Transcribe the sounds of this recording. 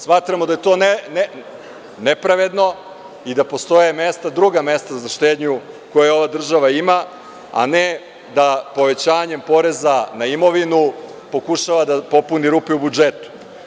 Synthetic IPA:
smaːt̪ɾamod̪aje̞t̪o̞nen | nepɾaʋe̞d̪no̞ | id̪apo̞st̪o̞jeme̞st̪ad̪ɾuɡame̞st̪azaʃt̪eːd̪ɲu | ko̞jeo̞ʋad̪r̩ʒaʋaima | a̰ne | d̪apo̞ʋe̞t͡ɕaːɲe̞mpo̞ɾe̞zanaimo̞ʋinu | po̞kuʃaʋad̪apo̞puniɾuːpɛubud͡ʒet̪u̥

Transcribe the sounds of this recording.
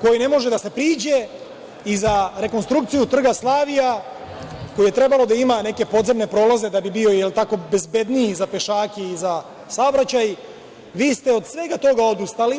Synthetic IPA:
ko̞jine̞mo̞ʒe̞d̪ase̞pɾiːd͡ʑe̞ | izaɾe̞ko̞nst̪ɾukt̪sijut̪r̩ɡaslaːʋija | ko̞jije̞t̪ɾe̞balo̞d̪aimane̞ke̞po̞d̪ze̞mne̞pɾo̞ːlaze̞d̪abibio̞jelt̪ako̞be̞zbe̞d̪niːzape̞ʃaːkeiza | saobɾat͡ɕaj | ʋiːst̪eo̞d̪sʋe̞ɡat̪o̞ɡao̞d̪ust̪ali

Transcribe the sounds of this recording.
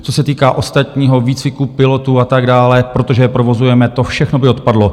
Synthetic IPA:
t͡so̞sɛt̪iːkaːʔo̞st̪at̪ɲiːɦo̞viːt͡svɪkupɪlo̞t̪uat̪aɡdaːlɛpɾo̞t̪oʒɛjɛpɾo̞vo̞zujɛmɛt̪o̞fʃɛxnobɪot̪̚padlo̞

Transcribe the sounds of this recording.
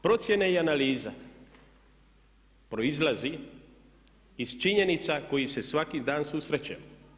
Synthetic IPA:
pɾo̞t̪sʲje̞neianaliːza̰ | pɾo̞izlazi | z̥t͡ʃiɲe̞nit̪sako̞jise̞sʋakid̪aːnsusɾet͡ɕamo

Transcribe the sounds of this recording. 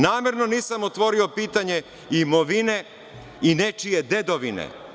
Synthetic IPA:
naːme̞ɾno̞niːsamot̪ʋo̞ɾio̞piːt̪aɲe̞ | imoʋine̞ | inet͡ʃije̞d̪e̞d̪o̞ʋinḛ

